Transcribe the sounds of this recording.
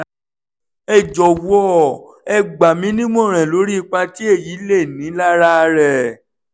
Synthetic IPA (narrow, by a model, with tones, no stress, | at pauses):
ɛ˦˨d͡ʒɔ˨wɔ˦ | ɛ˦ɡ͡ba˨mĩ˨˦nĩ˦m˦ɔ̃˦˨ɾ̃ɛ̃˨lo˨˦ɾi˦i˧k͡pa˧ti˦e˦˨ji˨˦le˦˨nĩ˨˦la˦ɾa˦˧ɾɛ˨